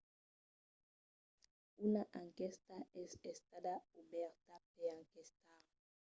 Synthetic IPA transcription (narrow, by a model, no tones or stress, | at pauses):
unaʔaŋkest̪aɛsest̪ad̪aubɛɾt̪apeaŋkest̪aɾ